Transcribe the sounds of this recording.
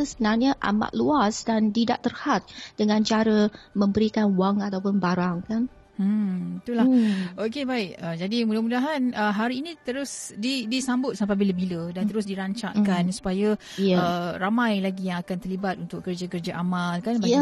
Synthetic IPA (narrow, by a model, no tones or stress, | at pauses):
səbənarɲəʔa̰ma̰ʔ̪̚luasdant̪ida̰ʔt̪ərhat̪̚d̥əŋãnt͡ʃaɾəməmbəɾikanwaŋat̪awpʊnbaɾaŋkan̩ | it̪ulaʔokebaɪk̚əd͡ʒadimudamudaɦanəɦaɾiːnĩt̪əɾʊsdidisambʊt̪̚sampabiləbilədant̪əɾʊs̬diɾaɲt͡ʃa̰ʔkansu̥paja | əramãjlaɡijaŋakant̪ərlibat̪̚unt̪ʊkkːərd͡ʒakərd͡ʒaʔamalkanb